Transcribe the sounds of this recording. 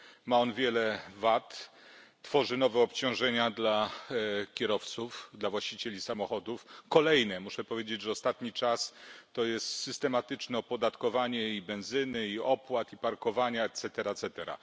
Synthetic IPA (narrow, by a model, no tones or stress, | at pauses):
maɔnvʲjɛlɛvat̪ː | fɔʐɘnɔvɛɔpt͡ɕɔ̃w̃ʐɛɲad̪la | kʲɛɾɔft̪sufd̪lavwaɕt͡ɕit͡ɕelʲisamɔxɔd̪ufkɔlɛjnɛmuʂɛpɔvʲjed͡ʑed͡ʑʐɛɔst̪at̪ɲit͡ʂast̪ɔjɛst̪sɘst̪ɛmat̪ɘt͡ʂnɛɔpɔd̪at̪kɔvaɲɛibɛ̃w̃zɘnɘiɔpwat̪ipaɾkɔvaɲaɛt̪sɛt̪ɛɾat̪sɛt̪ɛɾa̰